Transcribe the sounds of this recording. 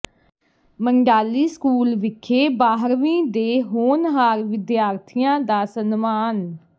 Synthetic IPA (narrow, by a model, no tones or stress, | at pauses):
məŋɖaːliːskuːlʋɪkʰːeːbaːɦɾʋĩːd̪eːɦoːnɦaːɾʋɪd̪jaːɾt̪ʰijãːd̪aːsənmaːn